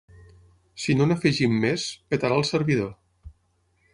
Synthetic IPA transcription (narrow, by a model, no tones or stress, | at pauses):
sinonəfəʒimːespet̪aɾalˠsəɾβið̞o